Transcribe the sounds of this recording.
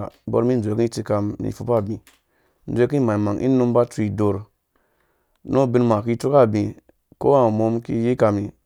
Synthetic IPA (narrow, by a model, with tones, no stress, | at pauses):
bo̰˦ɾmi˦nʷ˨e˨ki˦ti˧ka˧mnḭ˨fu˨pa˦˨bĩ˨ | n̩ʷ˦˨˦e˦ki˦˨ma˨i˨ma˨ŋʔḭ˦nu˦mba˦tu˦i˨do˨ɾ | no˦bi˧nma˨ki˦tu˦ka˦˨bĩ˨ | ko˦wa˦˨mo˧mkḭ˦ji˦ka˧mi˨